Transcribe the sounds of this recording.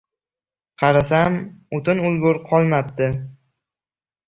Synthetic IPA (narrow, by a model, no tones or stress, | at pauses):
qʰɑɾasamʊt̪ɪnʊlˠɡʊɾqʰɒlˠmap̚t̪ɪ